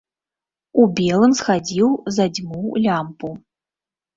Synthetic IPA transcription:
ubʲelˠɨmsxad͡zʲiwzɐd͡zʲmulʲampʼu

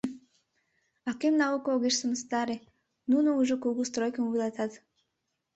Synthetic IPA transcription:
ɑkemnaukooɣeʃsəməst̪ɑɾe | nunouʒokuɣust̪ɾojkəmubilˠat̪ɑt̪

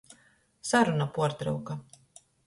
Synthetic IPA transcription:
saɾunapuɔɾt̪ɾɨ̰wka

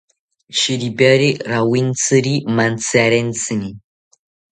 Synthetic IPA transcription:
ʃiɾibaɾiɾawint͡sɨɾimant͡saɾent͡sɨni

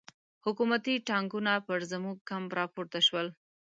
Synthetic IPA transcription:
hʊkumat̪iʈɑŋɡunapəɾzamuɡ̚kamɾɑpoɾt̪aʃwəl

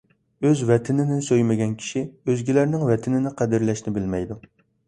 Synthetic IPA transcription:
øzvɛt̪ʰɪnɪnɪsøjmɪɡʲɛnkʲʰi̥ʃiøzɡʲilæɾnɪŋvɛt̪ʰɪnɪnɪqʰæd̪ɪɾlɛʃnɪbɪlmɛjd̪u

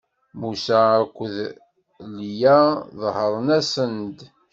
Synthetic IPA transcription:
musæːkʷːəð | lijæðhəɾˤənæsənd̪

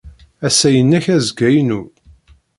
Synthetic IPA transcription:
æsæjənːæçæzɡæjnu

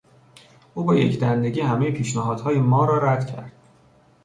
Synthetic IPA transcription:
ʔuːbeːjḛcʰd̪ænd̪e̞ɟiːhæmejepʰiːʃnæɦɒːd̪̥hɒːjemɒːɾɒːɾæd̪̥cʰæ̰ɾd̪̥

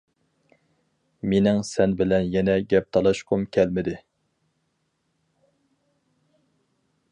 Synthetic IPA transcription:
menɪŋsɛnbɪlɛnjɛnɛɡʲɛp̚t̪ʰɑlˠɑʃqʰʊmkʲʰɛlmɪd̪ɪ

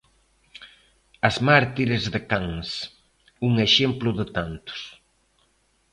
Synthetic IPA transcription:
ɐzmaɾt̪iɾezðɪkaŋs | uŋeʃemplʊðɪt̪ant̪ʊ̥s

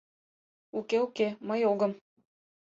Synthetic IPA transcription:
ukeukeməjoɡɤ̆m

